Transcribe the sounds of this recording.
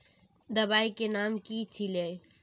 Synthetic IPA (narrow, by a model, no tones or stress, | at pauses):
d̪əbaikenamkit͡ʃʰile